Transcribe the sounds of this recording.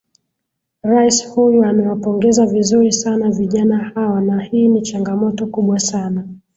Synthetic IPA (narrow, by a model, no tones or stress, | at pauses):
ɾaishujuamɛwapɔŋɡɛzavizuɾisanaviʄanahawanahiːnit͡ʃaŋɡamɔtɔkuɓwasana